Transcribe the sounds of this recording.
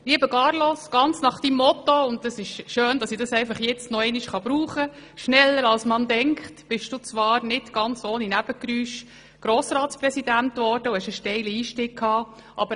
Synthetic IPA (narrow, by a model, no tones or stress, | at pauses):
liəbəɡɑːɾlɔsɡ̥ɑnt͡snɑχd̥imːɔt̪ɔʊntəsɪʃʃøːnd̥ɑsidɑsɛɪfɑχjɛt͡stnɔɛɪniʃχɑbɾuːχəʃnɛlːəɾɑlsmɑndɛŋkχtb̥ɪʃd̥uːt͡sʋɑːɾnɪtɡ̥ɑnt͡soːninæb̥əkɾyːʃ | ɡ̥ɾoːsɾɑːtspɾɛsidæntʋɔɾd̥əʊhɛʃəʃtɛɪliiːʃtɪkkʰːɑː | ʔɑ̰bə